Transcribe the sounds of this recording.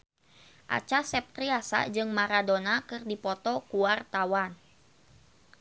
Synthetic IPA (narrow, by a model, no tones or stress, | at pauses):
ʔa̰t͡ʃasɛp̚t̪ɾiasa̰d͡ʒɨŋmaɾadonakɨrdipɔt̪ɔkuart̪awan